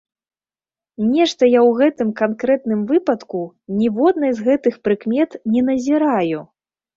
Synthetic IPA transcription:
nʲɛʂt̪ɐjawɣɛt̪ɨmkankɾɛt̪nɨmvɨpɐt̪ku | nʲivɔd̪̚nɐjzɣɛt̪ɨxpɾɨkmʲɛt̪nʲɛnɐzʲiɾaju

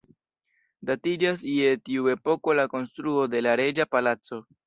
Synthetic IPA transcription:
datid͡ʒas̬ie̞tiue̞po̞ko̞lako̞nstɾuo̞de̞laɾe̞d͡ʒapalat͡so̞

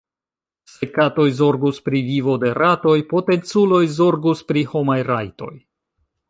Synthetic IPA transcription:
se̞kato̞jzo̞ɾɡuspɾivivo̞de̞ɾato̞jpo̞te̞nt͡sulo̞jzo̞ɾɡuspɾiho̞majɾajto̞j

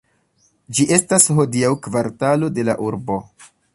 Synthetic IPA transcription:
d͡ʒiʔe̞stasɦo̞diawkvaɾtalo̞de̞laʔuɾbo̞

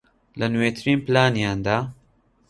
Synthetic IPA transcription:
lɐnwet̪ʰɨɾiːnplaːnjaːnd̪aː

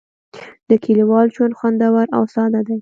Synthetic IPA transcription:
d̪əkʰiliwɑld͡ʒwand̪xwand̪awaɾa̰wsɑd̪ad̪aj

